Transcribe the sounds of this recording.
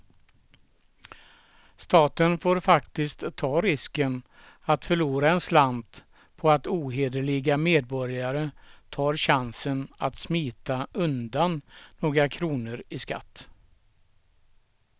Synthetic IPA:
st̪ɑːt̪ənfoːɾfakt̪ɪskt̪ʰːɑːɾɪskən | at̪fœɭuːɾaɛnsland̪ | pʰɔat̪uːɦeːd̪əɭɪɡameːd̪̚bɔɾjaɾət̪ʰɑːɾɕansəna̰t̪smiːt̪aɵnd̪anːoːɡɾakʰɾuːnəɾɪska̰t̪ː

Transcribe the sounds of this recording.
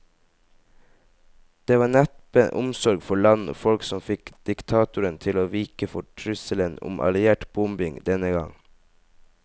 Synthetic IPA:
d̪̥eːʋɑːnɛt̪pəʔʊmsɔɾɡfɔɭɑno̰ːfɔlksɔmfɪkd̪̥ɪkt̪ʰɑːt̪ʊɾənt̪ʰɪloːʋiːkəfɔʈʰɹʏsələnʊ̰mʔɑ̰lɪeːʈb̥ʊmbɪŋd̪ɛnəɡɑŋ

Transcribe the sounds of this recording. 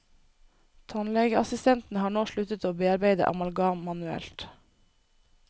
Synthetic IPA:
t̪ʰɑnlɛɡəɑsɪst̪ʰɛnt̪n̩əhɑːɳoːʃɭʉt̪ət̪oːbeːɑɾbeɪd̪ə̰ʔɑ̰mɑlɡɑːmɑnʉɛ̰lt̪

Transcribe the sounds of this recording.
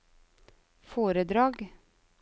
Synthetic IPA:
foːɾəd̪ɾɑːɡ

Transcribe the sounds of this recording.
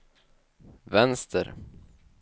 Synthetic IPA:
vɛnst̪ʰə̰ɾ

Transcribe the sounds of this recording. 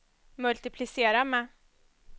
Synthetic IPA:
mɵlt̪ɪpʰlɪseːɾamɛ

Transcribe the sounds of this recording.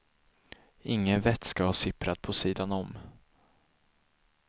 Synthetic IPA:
ɪŋːənvɛt̪skavɑːsɪpɾat̪̚pʰɔsiːd̪anɔm

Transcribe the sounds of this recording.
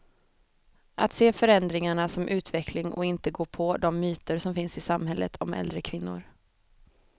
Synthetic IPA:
ʔa̰t̪seːfœɾɛnd̪ɾɪŋaɳasɔmʔʉ̟ːt̪vɛkʰlɪŋʔɔ̰ɪnt̪əɡoːpʰɔd̪ɔmːyːt̪əɾʂɔmfɪnsɪsamɦɛlːə̰t̪ʰɔmɛ̰ld̪ɾəkʰvɪnːʊ̰ɾ

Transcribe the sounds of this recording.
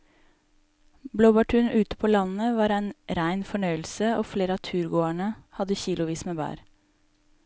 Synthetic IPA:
bloːbɑʈʰʉːnʉːt̪ə̥pʰoːlɑnəʋɑːɾæɪnɾæɪnfɔɳœʏl̩səoːfleːɾəɑːt̪ʰʉːɾɡoːæɳəhɑd̪əçiːlʊʋiːsmeːbæ̰ːɾ

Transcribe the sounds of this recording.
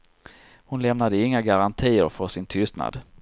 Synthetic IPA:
hʊnlɛmnad̪əɪŋːaɡaɾant̪ʰiːə̰ɾfœʂɪnt̪ʰʏst̪na̰d̪

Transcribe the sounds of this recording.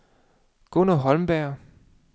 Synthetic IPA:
ɡ̥onoɦɒ̽lmb̥æɐ

